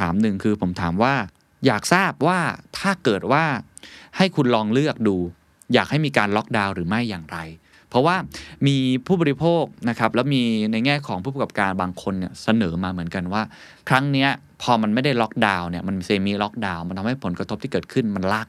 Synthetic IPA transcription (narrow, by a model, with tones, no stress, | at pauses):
aː˩˦mnɯ˨˩ŋkʰɯː˧pʰo˩˦mt̪ʰaː˩˦mwaː˥˩ | jaː˨˩k̚saː˥˩p̚waː˥˩t̪ʰaː˥˩kɤː˨˩t̪̚waː˥˩ | ha˥˩jkʰu˧nlɔː˧ŋlɯ˥˩ək̚duː˧ | jaː˨˩k̚ha˥˩jmiː˧kaː˧nlɔ˦˥k̚daː˧wɾɯː˩˦ma˥˩jːaː˨˩ŋɾa˧j | pʰɾɔ˦˥waː˥˩miː˧pʰuː˥˩bɔː˧ɾi˦˥pʰoː˥˩k̚na˦˥kʰa˦˥p̚lɛː˦˥wmiː˧na˧jŋɛː˥˩kʰɔː˩˦ŋpʰuː˥˩pa˩ka˨˩p̚kaː˧nbaː˧ŋkʰo˧nːi˥˩ɐsa˧nɤː˩˦maː˧mɯ˩˦ənka˧nwaː˥˩ | kʰɾa˦˥ŋni˦˥ɐ | pʰɔː˧ma˧nma˥˩jda˥˩jlɔ˦˥k̚daː˧wni˨˩ɐma˧nmi˧seː˧miː˦˥lɔ˦˥k̚daː˧wma˧nt̪ʰa˧mha˥˩jpʰo˩˦nkɾa˧t̪ʰo˦˥p̚t̪ʰiː˥˩ɤː˨˩t̪̚kʰɯ˥˩nma˧nla˦˥k̚